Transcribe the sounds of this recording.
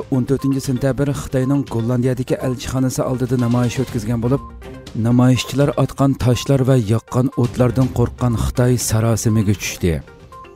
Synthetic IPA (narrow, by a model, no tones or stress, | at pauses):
ont̪øɾt̪ɪnt͡ʃʰisent̪ʰjɑbɪɾχə̥t̪ɑjnɨŋɡolˠːɑnd̪ijɑd̪ɪkʲiʔɛlt͡ʃʰi̥χɑːnɨsɨʔɑ̰lˠd̪ɨd̪ɑnɑmɑːjiʃøt̪kʲizɡʲɛnbolˠup̚ | nɑmɑjiʃt͡ʃʰilˠɑɾʔɑt̪qɑnt̪ʰɑʃlˠɑɾvɛjɑqːɑnot̪lˠɑɾd̪ɨnqʰoɾqːɑnχə̥t̪ʰɑjsɑɾɑːsɨmɪɡʲɛt͡ʃʰy̥ʃt̪ɪ